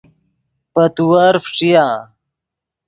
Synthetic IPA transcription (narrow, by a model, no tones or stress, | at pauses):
pɐt̪uwɐɾfʈ͡ʂijã